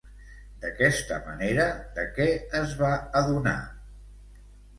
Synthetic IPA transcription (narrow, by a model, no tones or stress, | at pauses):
d̪əkɛst̪ə̰mə̰neɾəd̪əkɛəzβaəðuna̰